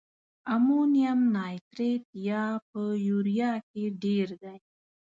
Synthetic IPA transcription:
amonijamnɑːjt̪ɾet̪jɑp̚əjuɾijɑkeɖeɾd̪aj

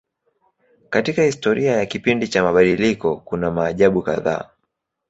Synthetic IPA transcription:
katikahistɔɾiajakipindit͡ʃamaɓaɗilikɔkunamaːʄaɓuka̰ða̰ː

